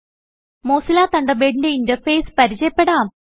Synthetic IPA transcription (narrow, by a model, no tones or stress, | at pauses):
moːsilaːt̪ɐɳɖɐbeːɽindeintɐrfejspɐɾit͡ɕɐjɐpːe̞ɽaːm